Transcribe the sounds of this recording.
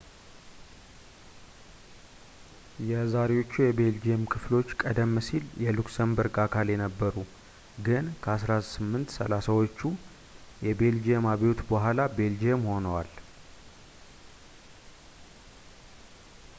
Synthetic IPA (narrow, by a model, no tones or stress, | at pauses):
jɛzaɾewo̞t͡ʃːujɛbe̞ld͡ʒiemkʰɨflo̞t͡ʃːkʼəd̪əmːsiljɛluksəmbəɾɡʼakʰaljɛnəbːəɾu | ɡɨnkʰəasɾasɨmːɨnt̪sə̰lasawot͡ʃːu | jɛbe̞ld͡ʒeemaβeot̪bəɦʷalabe̞ld͡ʒeemho̞nəwal